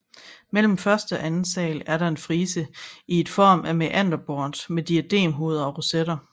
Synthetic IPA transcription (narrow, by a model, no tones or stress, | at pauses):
mel̰m̩fɶɐsd̥əɒ̽ʔænn̩sɛ̰ːlæɐɾɑ̈e̝nfʁiːsəie̝d̥fɒ̰ːmʔæmeʔæn̰d̥ɐb̥ɒːnd̥med̥iæd̥e̝̰ːmɦo̝ːð̞ˠɐɒ̽ʁoseɾ̥ɐ